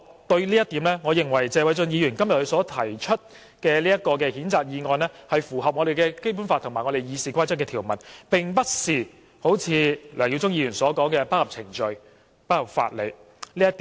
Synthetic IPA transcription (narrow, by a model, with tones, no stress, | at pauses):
t̪ɵ˧ɥliː˥jɐ˥t̪i˨˥mlɛː˥ŋɔː˨˧jɪ˨˩ŋwɐ˨˩jt͡sɛː˧wɐ˨˧jt͡sɵ˧njiː˨˧jyː˨˩nkɐ˥mjɐ˨t̚hsɔː˨˥t̪ʰɐ˨˩jt͡ʃʰɵ˥t̚ | kɛː˧liː˥jɐ˥t̚kɔː˧k̬ɛː˧hiː˨˥nt͡saː˨k̚jiː˨˧ŋɔː˨˧nlɛː˥hɐ˨jfuː˨˩ɦɐ˨p̚ŋɔ˨˧ɾe˨jkɛː˧ke˥jpu˨˥nfa˧t̪ʰmaː˨˩jŋɔ˨˧de˨jjiː˨˧siː˨kʷaː˥t͡sɐ˥kɛː˧t̪ʰi˨˩wmɐ˨˩npɪ˨ŋpɐ˥t̚siː˨˧ | ho˨˥wt͡sʰiː˨˧lœː˨˩ŋji˧wt͡sʊ˥ŋjiː˧jyː˨˩nsɔː˨˥kɔː˨˥ŋkɛː˧paː˥hɐ˨p̚t͡sʰɪ˨˩ŋt͡ʃɵ˨˧ɥ | paː˥hɐ˨p̚fa̰ː˧t̚lḛ˨˧j | liː˥jɐ˥t̪iː